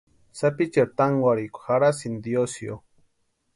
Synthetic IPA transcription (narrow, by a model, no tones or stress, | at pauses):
sapit͡ʃeɾt̪aŋɡwaɾikʷu̥xaɾasind̪josjo̰